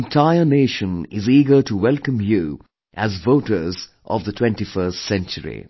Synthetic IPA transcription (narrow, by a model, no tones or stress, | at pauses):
ntʰaɪəneːʃə̃nɪziːɡə˞təwɛlˠkə̃mju | ʔæzvoʊɾə˞z | ʔɔ̰vðətʰwɛ̃ntifɜstsɛ̃nt͡ʃəɹḭ